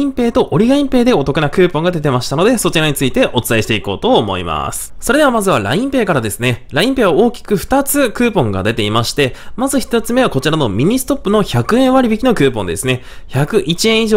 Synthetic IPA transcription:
ĩmpe̞ːt̪o̞ʔoɾʲiɡaĩmpe̞ːd̪e̞o̞t̪o̞kɯ̟nakɯ̟ːpõ̞ŋɡad̪e̞t̪e̞maɕi̥t̪ano̞d̪e̞so̞t͡ɕiɾaɲ̟it͡sɨit̪e̞ʔo̞t͡sɨ̥t̪aiɕi̥t̪e̞iko̞ːt̪o̞ːmo̞̰ḭma̰sɨ̥so̞ɾe̞d̪eamazɨβaɾa̰ĩmpe̞ːkaɾad̪e̞sɨne̞ɾaĩmpe̞ːβao̞ːkʲi̥kɯ̟ɸɯ̟̥t̪at͡sɨkɯ̟ːpõ̞ŋɡa̰d̪e̞t̪e̞imaɕi̥t̪e̞mazɨçi̥t̪ot͡sɨme̞βako̞t͡ɕiɾano̞mʲiɲ̟isɨ̥t̪o̞pːɯ̟no̞çakɯ̟ẽɰ̃βaɾʲibikʲino̞kɯ̟ːpõ̞nd̪e̞̰sɨne̞ | çakɯ̟ʔit͡ɕiẽɰ̃iʑoː

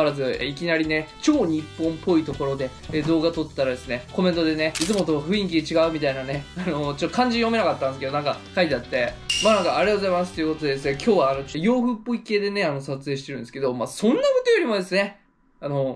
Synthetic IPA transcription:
ɾazɨeikʲinaɾʲine̞t͡ɕo̞ːɲ̟ipːõ̞mpʰːo̞it̪o̞ko̞ɾo̞d̪e̞ː | d̪o̞ːɡat̪o̞t̪ːaɾad̪e̞sɨne̞ko̞mẽ̞nt̪o̞d̪e̞ne̞it͡sɨmo̞t̪o̞ɸɯ̟ĩŋk̬ʲid̪et͡ɕiɡaɯ̟mʲit̪ainane̞ano̞t͡ɕot̪ːo̞kʰãɲ̟d͡ʑĩɲjome̞nakat̪ːãnd̪es̬ɨked̪o̞nãŋkakait̪eat̪ːe̞manãŋkaaɾʲeat̪ozaimasɨ̥t̪oejɯ̟kot̪o̞d̪e̞d̪es̬ɨnekʲʰo̞ːβaːno̞t͡ɕojo̞ːɸɯ̟pːo̞ike̞ːd̪e̞ne̞ano̞sat͡sɨe̞ːɕit̪eɾɯ̟nd̪esɨ̥ke̞d̪o̞maːsõ̞nːaɡot̪ojoɾʲimo̞d̪e̞sɨne̞ | ano̞

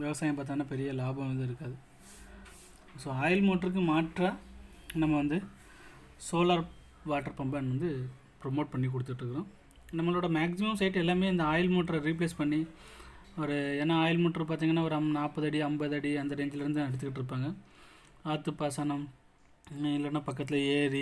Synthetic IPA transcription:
ʋɪʋɐsaːjɐmp̬aːɾt̪iːŋɡɐnːaːpɛɾɪjɐlaːbɐ̃mʋɐnd̪ɯɪɾɯkːaːðɯ | soːaːjɪlmoːʈɾɯk̬ːɯmaːʈra | nɐmːɐʋɐnd̪ɯ | soːlaːɾ | ʋaːʈːɐɾpɐmbɐnʋɐnd̪ɯ | pɾɔmoːʈ̚pɐɳːik̬ɔɽɯt̪ːkɪʈɾɯkːɾõː | nɐmːɐɭoːɽɐmaːksɪmɐmsɐɪʈːɛlːaːmeːɐnd̪ɐaːjɪlmoːʈɾɐɾip̬leːspɐɳːi | ɐʋɐɾɯeːnːaaːjɪlmoːʈɾɐp̬aːɾt̪̬iːŋɡɐnːaːɔɾɯɐnaːpːɐðɐɽiɐmbɐðɐɽiɐnd̪ɐɾɛɲd͡ʒɪlɪɾɯnd̪ɯnɐɽɯt̪ːɯkɪʈːɪɾɯp̬ːaːŋɡɐ | aːt̪ːɯpːaːsaːnɐm | ɪlːɐnːaːpɐkːɐt̪ːɪlɐeːɾi

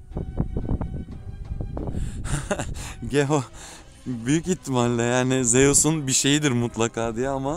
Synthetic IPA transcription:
h | ɟeɦo | byjycit̪ʰːimaɾlʲɛjaːnɪzejosunbiʃe̞jid̪iɾmut̪ʰlˠakʰaːd̪ijɛama

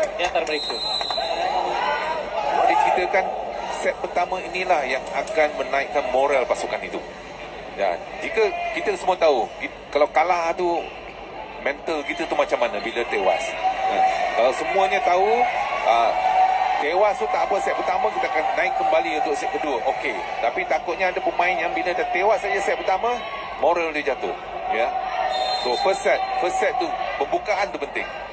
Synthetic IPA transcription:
diant̪aɾməɾeka | adikit̪əkansɛt̪̚pərt̪amãinilahjaŋakanmənãɪkːanmoɾalpasukanit̪u | da̰n | d͡ʒikəkit̪əsəmũət̪auki | kalawkalat̪u | mɛ̃nt̪əlkit̪ət̪umat͡ʃamːanãbilət̪ewa̰sakalawsəmũəɲat̪auə | t̪ewast̪ut̪aʔpəsɛt̪̚pərt̪amãkit̪əakanːãɪkːəmbaliunt̪ʊʔsɛʔ̪̚kəduəʔoke | t̪apit̪akʊt̪̚ɲaadapəmãɪnjaŋbilədant̪ewasad͡ʒasɛt̪̚pərt̪amã | moɾəldud͡ʒat̪ʊ̰h | ja | sofəsɛt̪̚fəssɛt̪̚ːupəmbukaʔant̪upənt̪ɪ̰ŋ

